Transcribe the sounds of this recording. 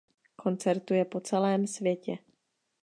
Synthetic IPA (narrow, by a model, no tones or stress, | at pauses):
kʰo̞nt͡sɛɾt̪ujɛpo̞t͡sɛlɛːmsvjɛcɛ